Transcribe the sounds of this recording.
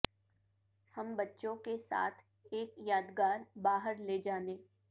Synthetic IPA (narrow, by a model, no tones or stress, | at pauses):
hɐmbɐtːʃõkesa̰ːt̪ʰ | eːkjaːd̪ɡaːɾbaːɦəɾled͡ʒaːneː